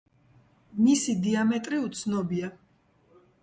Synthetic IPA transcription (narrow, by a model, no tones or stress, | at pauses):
misid̪iamɛt̪ʼɾiut̪sʰnɔbia